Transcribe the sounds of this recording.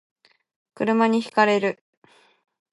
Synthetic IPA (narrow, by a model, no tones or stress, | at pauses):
kɯ̟ɾɯ̟maɲ̟içi̥kaɾe̞ɾɯ̟